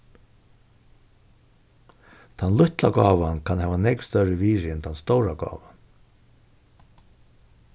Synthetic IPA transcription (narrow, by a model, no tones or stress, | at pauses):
t̪ʰanlʊht̪laɡɔːʋankʰanhɛːvanɛkst̪œɾɹɪviːɾɪɛnt̪ʰanst̪owɾaɡɔ̰ːʋan